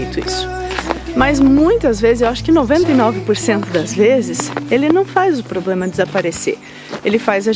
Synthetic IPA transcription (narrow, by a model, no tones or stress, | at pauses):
jt̪ʊḭsʊ̥ | mɐzmũj̃t̪ɐzvezɪzewaʃʊ̥kɪnovẽnt̪ɐjnɔvɪpoɾsẽnt̪ʊd̪ɐzvezɪselɪnɐ̃w̃fazʊpɾoblẽmɐd̪ɪzapaɾesḛɾ | elɪfazɐ